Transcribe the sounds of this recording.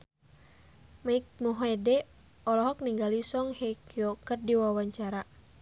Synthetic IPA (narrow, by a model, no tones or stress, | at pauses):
maik̚muɦɛdɛ | ɔlɔɦɔk̚niŋɡalisɔŋhɛkiɔkərdiwawaɲt͡ʃaɾa